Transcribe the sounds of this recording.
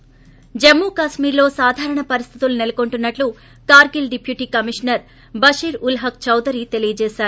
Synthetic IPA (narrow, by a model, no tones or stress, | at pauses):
d͡ʒemːuːkaːʃmiːɾlo̞ːsaːd̪ʱaːɾɐɳɐpɐɾist̪ʰit̪ulunilɐkoɳʈunːɐʈlu | kaːɾɡilɖipʰjuʈiːkɐmiʂnɐɾ | bɐʂiːɾulɦɐk̚t͡ʃɐwd̪ɐɾiːt̪e̞lijɐd͡ʒeːʃaːɾu